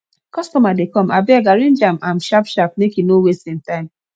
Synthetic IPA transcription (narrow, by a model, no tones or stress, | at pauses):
kɔstɔmadekɔ̃mabɛaɡaɹĩnd͡ʒamãmʃapʃap̚mekinowestĩmtãɪ̃m